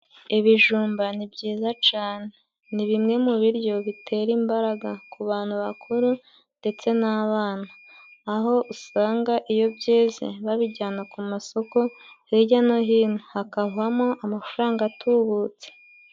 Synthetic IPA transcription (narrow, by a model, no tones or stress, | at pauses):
iβiʒuːmbanibɟiːzat͡ʃaːne̞ | niβimŋe̞muβiɾjo̞βitʰe̞ɾiːmbaɾaɡakʰuβaːn̥huβakʰuɾu | nde̞t͡se̞naβaːnaː | ɦo̞ʔusaːŋɡaʔijo̞bɟeːzḛβaβiɟaːnakumaso̞ko̞eɟanoɦiːnohakaβamo̞ʔamafuɾaːŋɡatʰuβut͡se̥